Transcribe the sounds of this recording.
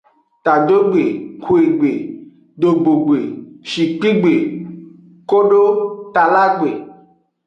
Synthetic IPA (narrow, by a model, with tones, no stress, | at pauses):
t̪a˨do˦ɡ͡be˨ku˨e˨ɡ͡be˨ | ɖ̪o˨ɡ͡bo˨ɡ͡be˨ʃi˨k͡pi˦ɡ͡be˨ | ko˦ɖo˦t̪a˨la˦ɡ͡be˨